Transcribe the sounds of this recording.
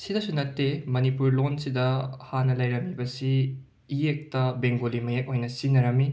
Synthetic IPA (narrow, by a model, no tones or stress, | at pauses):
sidɐsunɐtːemɐnipuɾlonsidɐhanɐlɐjɾɐmibɐsiː | jek̚tɐbeŋɡolimɐjek̚ojnɐsinːɐɾɐmi